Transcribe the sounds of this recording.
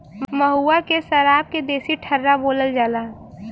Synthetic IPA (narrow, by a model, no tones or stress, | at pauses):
mməɦuːakesəɾaːb̚ked̪eːsiʈʰəɾːaboːləld͡ʒaːlaː